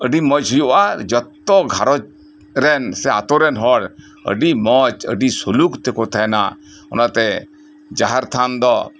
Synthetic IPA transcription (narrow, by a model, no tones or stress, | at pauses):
əɖiməd͡ʒɦujɔʔad͡ʒət̪ːɔɡʱaɾɔt͡ʃ | ɾɛnsɛa̰t̪ɔɾɛnɦɔɽ | ə̰ɖimət͡ʃə̰ɖisulukt̪ɛkɔt̪ʰɛna̰ | ɔnat̪ɛ | d͡ʒaɦaɾt̪ʰand̪ɔ